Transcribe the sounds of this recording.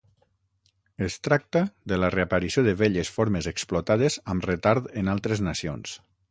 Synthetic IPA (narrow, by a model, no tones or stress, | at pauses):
əst̪ɾak̚t̪əðələreapəɾisioðəβeʎəsfoɾməzeksplɔt̪aðəzəmrət̪aɾðenalˠt̪ɾeznasions